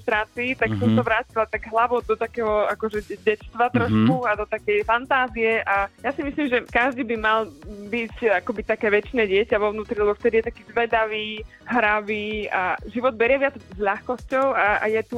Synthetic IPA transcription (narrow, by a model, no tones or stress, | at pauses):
t̪ɾaːt͡siːt̪aksɔmsaʋɾaːcilat̪aɡɦlaʋɔʊd̪ɔt̪akɛːɦɔakɔʒɛɟɛtst̪ʋat̪ɾɔʃkuad̪ɔt̪akɛjfant̪aːziɛʔajasimislimʒɛkaʒd̪ibimalbicakɔbit̪akɛːʋɛt͡ʃnɛːɟɪɛcaʋɔvnuːt̪ɾilɛbɔft̪ɛd̪ijɛt̪akiːzʋɛd̪aʋiː | ɦɾaʋiːaʒiʋɔd̪̚bɛɾɪɛʋɪad͡zzʎaxkɔscɔʊaa̰jɛt̪u